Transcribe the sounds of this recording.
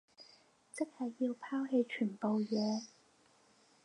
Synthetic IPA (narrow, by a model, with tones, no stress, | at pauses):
t͡sɪ˥k̚hɐ˨jːiː˧wpʰaː˥whe˨˧jt͡ʃʰyː˨˩npo˨wjɛː˨˧